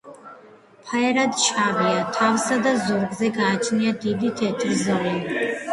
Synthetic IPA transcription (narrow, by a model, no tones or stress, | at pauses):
pʰajɾadt͡ʃʰaːʁijatʰawsadazurɡzeɡaːt͡ʃʰʼnijadiditʰiatʰɨrzalan